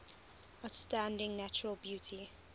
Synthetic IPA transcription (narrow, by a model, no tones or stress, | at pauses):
aʊtstãndɪ̃ŋnat͡ʃəɹəlˠbjuːˑtʰi